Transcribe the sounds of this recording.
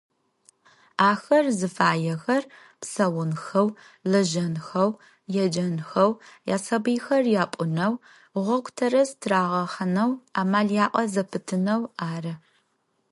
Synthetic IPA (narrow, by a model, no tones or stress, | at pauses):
aːxɐrzɨfaːjɛxɐr | psɐwʊnxɐw | lɐʒɐnxɐw | jɛd͡ʒɐnxɐwja̰ːsɐbiːxɐrjaːpʷʼʊnɐw | ʁʷɔkʷʰʼtʰɐɾɐztʰraːʁɐχɐnɐwaːmaːljaːʔʼɐzɐpʰɨtʰɨnɐwaːrɐ